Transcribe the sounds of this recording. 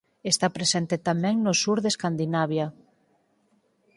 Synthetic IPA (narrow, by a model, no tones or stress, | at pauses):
est̪apɾesent̪et̪amɛ̃ŋnosuɾðeskand̪inaβja